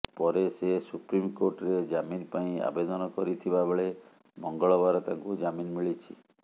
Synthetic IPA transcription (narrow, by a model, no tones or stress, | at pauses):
pɔɾesesupɾimkoɾʈɔɾed͡ʒaminpaĩa̰bed̪ɔnɔkɔɾit̪ʰibabʱeɭe | mɔŋɡɔɭɔbaɾɔt̪ãŋkud͡ʒaminmiɭit͡ʃʰḭ